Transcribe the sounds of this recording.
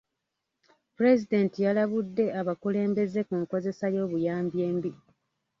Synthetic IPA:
puɾe̞zide̞ntijalaβudːe̞aβakule̞ːmbe̞ze̞kuŋko̞ze̞sajo̞ːβujaːmbje̞ːmbi

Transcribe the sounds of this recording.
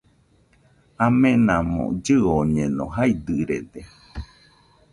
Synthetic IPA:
amẽnãmõ̰d͡ʒɨoɲẽnõ̰ɦaid̪ɨɾḛd̪e

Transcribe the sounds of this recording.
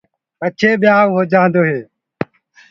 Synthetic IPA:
kət͡ʃʰeːɓɪjaːʋɦoːd͡ʒãːnd̪oːɦeː

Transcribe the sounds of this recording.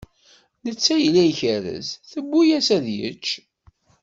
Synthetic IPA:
nət͡sːæjlæjçəɾə̰zθəbːujæsæðjə̰t͡ʃː

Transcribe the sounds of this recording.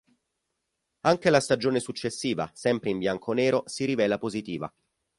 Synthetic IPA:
aŋk̟elast̪ad͡ʒoːnesut͡ʃːesːiːva̰sɛmpɾeimbjaŋkʰoneːɾosiɾivɛːlapozit̪iːva̰

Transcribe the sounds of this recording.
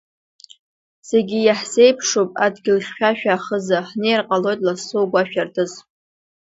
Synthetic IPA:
seɡʲijaħse̞jpʰʂopʼa̰dɡʲɪlχʲʃʲᶣaʃᶣaːχəzaħnejrqʼalo̞jtʼlasowɡʷaʃᶣartʰʼɨz

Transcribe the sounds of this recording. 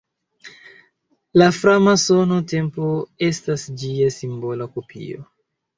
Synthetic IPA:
lafɾamasono̞te̞mpo̞e̞stasd͡ʒiasimbo̞lakopʰḭo̰

